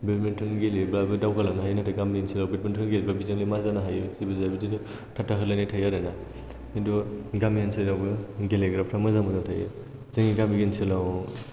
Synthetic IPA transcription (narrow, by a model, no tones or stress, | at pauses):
betmentʰɯnɡelibabɯdawɡalanaɦajnatʰaɡamiɡinsilawbet̚mentʰunɡelibabizaŋlimazanaɦajɯsibɯzabizinu | tʰatʰaɦɯlajnatʰajaɾana | induɡamijansɯjjawbɯɡeleɡɾapʰɾamɯzamɯnatʰajɯ̰ | zeŋiɡamiɡinsilaw